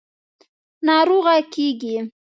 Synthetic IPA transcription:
nɑɾoɣakiɡi

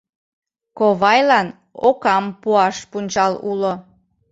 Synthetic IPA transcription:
koβɑjlɑn | okɑmpuɑʃpunʲt͡ɕɑlulo

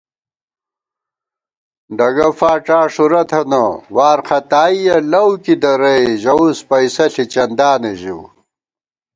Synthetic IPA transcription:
ɖɐɡɐfaːʈ͡ʂaːʂuɾɐt̪ʰɐnɐwaːɾxɐt̪aːijɐlɐwkid̪ɐɾɐjʑɐuspɐjsɐɬit͡ɕɐnd̪aːneʑiw

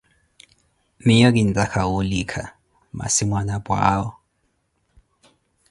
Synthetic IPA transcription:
miɲɔk̬indʼakʰaulikʰa | ma̰simwanabwa̰ːwɔ

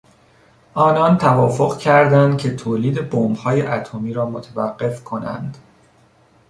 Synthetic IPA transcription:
ʔɒːnɒnt̪ʰævɒːfo̞ɣcʰæɾd̪ænd̪̥̚cʲʰe̞t̪ʰoːliːd̪e̞bombhɒːjeʔæt̪ʰomiːɾɒːmot̪ʰævæɢːe̞fkʰo̞næ̰nd̪̥

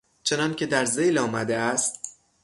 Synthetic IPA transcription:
t͡ʃʰe̞nɒːncʰe̞d̪æɾze̞jlɒːmæd̪eæst̪̚

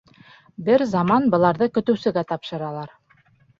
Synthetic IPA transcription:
bɘɾzɑmɑnbɤ̆lˠɑɾðɤkɵ̆t̪ɵ̆wsɘ̆ɡæt̪ɑpʃɤ̆ɾɑlˠɑɾ

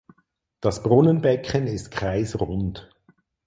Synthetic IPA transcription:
d̥ɑsb̥ʁʊnənbɛkʰənɪstkʁ̥aɪsʁʊnt

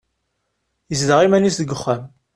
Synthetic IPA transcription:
jəzðəʁimænisðəɡəχːæm

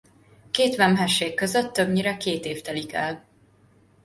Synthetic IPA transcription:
keːt̪ʋɛmɦɛʃːeːkːøzøt̪ːøbɲiɾɛkeːt̪eːft̪ɛlikɛ̰l

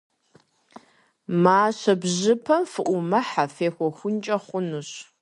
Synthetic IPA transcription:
maːɕɐbʑɪpʰɐmfɨʔʷʊmɐħafeːxʷɔxʷʊnt͡ʃʼɐχʷʊnuɕ

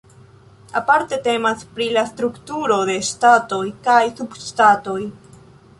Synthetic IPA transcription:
apaɾte̞te̞maspɾilastɾuktuɾo̞de̞stato̞jkajsubʃtato̞j

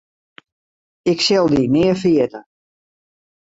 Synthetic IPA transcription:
ɪksɛlˠdinɪːəfəjɛtə

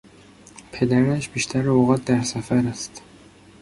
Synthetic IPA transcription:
pʰe̞d̪æɾæʃb̥iːʃt̪ʰæɾeoɣɒːt̪̚d̪æɾsæfæɾæst̪

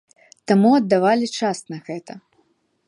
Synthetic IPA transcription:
t̪amuɐd̪ːavalʲit͡ʂasnɐɣɛt̪ɐ

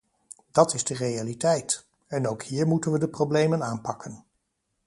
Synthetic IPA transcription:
d̥ɑtɪzdərejalitɛjt | ɛnowkhiːɹmutənʋədəprowblejmənaːnpɑkən

